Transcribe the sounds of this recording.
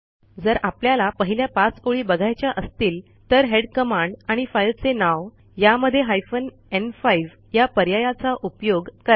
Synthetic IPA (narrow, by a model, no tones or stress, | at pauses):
d͡zəɾapljalapəɦiljapat͡soɭiːbəɡʱajt͡ɕjaʔəst̪iːl | t̪əɾɦeɽkəmãɳɖaɽ̃ifailt͡senaʋ | jaməd̪ʱːjeɦajfən | enfaiʋ | japəɾjajat͡saʔupjoɡkəɾa